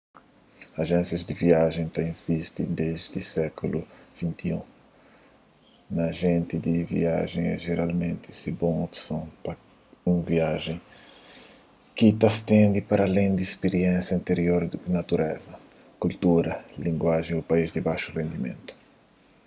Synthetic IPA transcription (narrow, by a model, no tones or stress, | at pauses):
aʒẽnsjɐzd̪ɪviaʒẽj̃t̪aĩnsist̪ḭd̪eʒd̪ɪsɛkuluv̥ĩnt̪iũ | nɐʒẽnt̪ɪd̪ivḭa̰ʒẽj̃ɛ̰ʒeɾalmẽnt̪ɪsibõopsɐ̃w̃pɐ | ũviaʒẽj̃ | kit̪ɐst̪ẽnd̪ipaɾalẽj̃d̪ispeɾiẽnsjɐĩnt̪eɾioɾd̪nat̪uɾɛzɐ | kult̪uɾɐlĩŋɡwaʒẽjupaizd̪ɪbajʃurẽnd̪imḛ̃nt̪u̥